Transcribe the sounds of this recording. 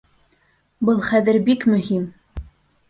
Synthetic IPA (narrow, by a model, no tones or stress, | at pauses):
bɤlˠχæðɘɾbikmɵ̆him